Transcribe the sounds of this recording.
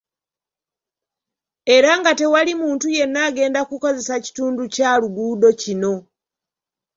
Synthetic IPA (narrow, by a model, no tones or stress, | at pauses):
e̞ɾaŋɡate̞walimuːntuje̞nːaːɡe̞ːndakuko̞ze̞saci̥tuːnducaːluɡuːdo̞cino̞